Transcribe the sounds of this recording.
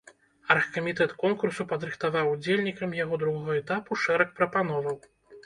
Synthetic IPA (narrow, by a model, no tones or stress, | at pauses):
ɐrxkɐmʲit̪ɛt̪kɔnkursupɐd̪ɾɨxt̪avawud͡zʲelʲnʲikɐmjaɣɔd̪ɾuɣɔɣɐɛt̪apuʂɛɾɐk̚pɾɐpan̪ɔvɐw